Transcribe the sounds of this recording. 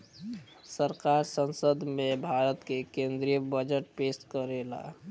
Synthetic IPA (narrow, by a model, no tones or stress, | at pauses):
səɾkaɾsənsəd̪ʱmebʱaɾət̪kekẽnd̪ɾijəbəd͡ʒəʈpestkəɾela̰